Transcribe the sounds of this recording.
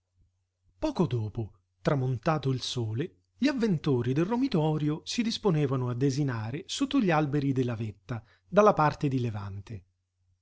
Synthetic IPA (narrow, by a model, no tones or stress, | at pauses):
pɔːkod̪oːpo | t̪ɾamont̪aːt̪oilsoːle | ʎiavːent̪oːɾid̪elromit̪ɔːɾjosid̪isponeːvanoad̪ːezinaːɾesot̪ːoʎialbeɾid̪elːavet̪ːa | d̪alːapart̪ed̪ileva̰nt̪e